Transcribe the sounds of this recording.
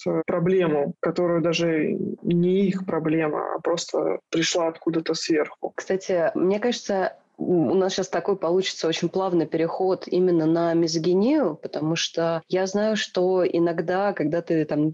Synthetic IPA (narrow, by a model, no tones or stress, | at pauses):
t̪pɾɐblʲe̞mʊkɐt̪o̞ɾʊjʊd̪aʐɨnʲɪixpɾɐblʲe̞mə̰a̰pɾo̞st̪ə̰pɾʲɪʂlˠaɐt̪kud̪ət̪əsvʲerxʊkst̪atʲɪmnʲe̞kaʐɨt̪sə | ʊ̰nasɕast̪ɐko̞jpɐlˠut͡ɕɪ̥t̪səot͡ɕɪnʲplˠavnɨjpʲɪɾʲɪxo̞t̪imʲɪnːənəmʲɪzɡʲɪnʲijʊpət̪ɐmuʂt̪ojaznajʊʂt̪o̞ʔɪ̰nɐɡd̪akɐɡ̚d̪at̪ɨt̪am